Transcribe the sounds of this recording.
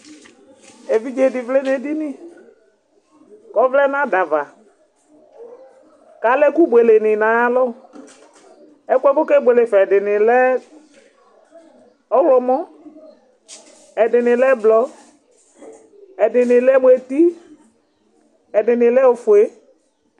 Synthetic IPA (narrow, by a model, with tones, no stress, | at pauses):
e˨vi˦d͡ʒe˨dɪ˨vle˦ne˨dɪ˦nɪ˦˨ | kɔ˨˦vlɛ˦nã˦da˨va˨ | ka˨˦lɛ˦ku˦bwe˨le˨nɪ˨na˨a˦lɔ˦˨ | ɛ˦kʷɛ˦kʊ˦ke˦be˨le˨fɛ˨dɪ˨nɪ˨lɛ˦ | ɔ˦wlɔ˨mɔ˦ | ɛ˨dɪ˨nɪ˨lɛ˦blɔ˨ | ɛ˨dɪ˨nɪ˨lɛ˦bwe˨ti˦ | ɛ˨dɪ˨nɪ˨lɛ˦ʊ˨fʊ˨e˦